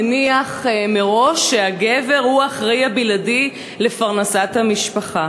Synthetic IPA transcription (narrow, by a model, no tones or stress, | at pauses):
niaχmeʁo̞ʃːeaɡe̞ve̞ʁhuaχʁejabiladi | le̞faʁnasathamiʃpaχa